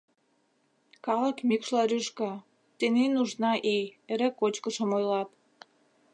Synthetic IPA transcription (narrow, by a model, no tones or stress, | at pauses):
kɑlə̆kmʲikʃlɑɾyʃkɑ | t̪enenuʒnɑʔejeɾekot͡ɕkəʃə̆mojlɑp